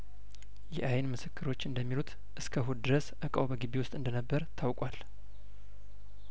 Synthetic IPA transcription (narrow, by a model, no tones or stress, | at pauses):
jɛʔajnmɨsɨkːɨɾo̞t͡ʃːɨnd̪əmːilut̪ʰ | ʔɨskʰəɦud̪ɨɾəsʔəkʼəwβəɡiβewʊst̪ʼɨnd̪ənəbːəɾt̪ʰawkʼwal